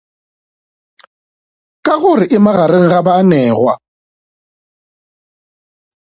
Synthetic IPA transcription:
kʼaɣʊrɪʔɪmaɣaɾeŋ̩ɣabanɛːɣwa̰

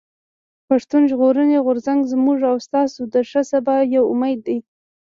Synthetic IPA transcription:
paʂt̪unʒɣoɾəneɣʊɾzaŋɡzmuʐawst̪ɑsod̪əʂəsabɑjawʊmajd̪ːaj

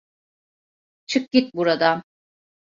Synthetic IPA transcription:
t͡ʃʰɯk̚ɟʲit̪̚buɾad̪a

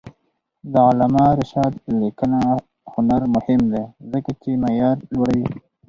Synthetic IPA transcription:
d̪əʊlamɑɾɪʃɑd̪likəna | hʊnaɾmʊhɪmd̪ezəkat͡ʃemejɑːɾlwoɽawi

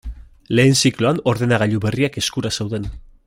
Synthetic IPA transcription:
le̞ːnsikloano̞ɾðe̞naɣ̞aʎuβe̞riake̞skuɾase̞wðe̞n

